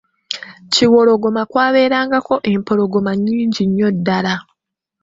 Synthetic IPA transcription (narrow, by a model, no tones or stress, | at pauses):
ciwo̞lo̞ɡo̞makwaːβe̞ːɾaːŋɡako̞ʔe̞mpo̞ɾoɡo̞maɲːiːɲɟiɲːo̞dːala